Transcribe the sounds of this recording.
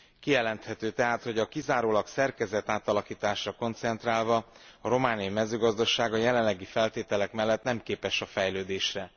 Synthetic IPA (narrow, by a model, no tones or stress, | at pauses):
kijɛlɛnt̪hɛt̪øːt̪ɛɦaːt̪ho̞ɟɒkizaːɾoːlɒksɛrkɛzɛt̪aːt̪ɒlɒkiːt̪aːʃrɒko̞nt̪sɛnt̪raːlvɒ | ɒɾo̞maːnijimɛzøːɡɒzd̪ɒʃaːɡɒjɛlɛlːɛɡifɛlt̪eːt̪ɛlɛkmɛlːɛt̪nɛmkeːpɛʃɒfɛjløːd̪eːʃrɛ